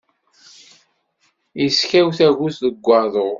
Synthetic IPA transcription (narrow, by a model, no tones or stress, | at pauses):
iskæwθæʝusðəɡʷːɑɾðˤoʁ